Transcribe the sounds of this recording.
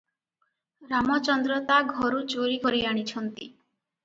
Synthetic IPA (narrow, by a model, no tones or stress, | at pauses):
ɾamɔt͡ʃɔnd̪ɾɔt̪aɡʱɔɾut͡ʃoɾikɔɾiaɽ̃it͡ʃʰɔnt̪i